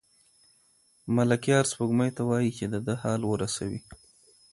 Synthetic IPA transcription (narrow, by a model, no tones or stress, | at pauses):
malakjɑɾspəɡməjt̪awɑjit͡ʃed̪əd̪əhɑlwəɾasawi